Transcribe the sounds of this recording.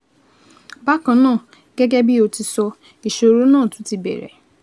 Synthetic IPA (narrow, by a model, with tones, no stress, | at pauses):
ba˦kã˧˦nãː˦˨ | ɡ̥ɛ˦ɡɛ˦bi˦o˨˧ti˧sɔ˧ | i˨ʃo˧ɾo˦nãː˦˨tũ˨˦ti˧bɛ̰˨ɾɛ̰˨